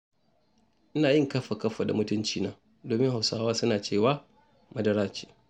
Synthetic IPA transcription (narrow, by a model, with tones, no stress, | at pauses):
ʔɪ˦naː˨jɪ˦ŋkɐ˦ɸa˨kɐ˦ɸa˨da̰˨mʊ˦tʊ˦nt͡ʃiː˨naː˦ | doː˨mɪ˦ŋha˨wsaː˦waː˦sʊ˦naː˨t͡ʃeː˦˨waː˦ | mɐ˦dɐ˦ɾaː˦t͡ʃe̥ː˨